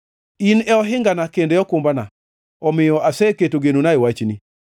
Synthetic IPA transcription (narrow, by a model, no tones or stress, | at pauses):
inɛɔɦɪŋɡanakendeɔkʊmbana | ɔmɪjɔasɛketoɡenonaewat͡ʃni